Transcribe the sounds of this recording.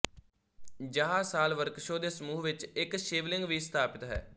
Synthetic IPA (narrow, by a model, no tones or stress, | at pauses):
d͡ʒəɦaːsaːlʋəɾkʃoːd̪eːsəmuːɦʋɪt͡ʃɪkʃeːʋlɪ̃ŋɡʋiːst̪ʰaːpɪt̪ɦɛ̰ː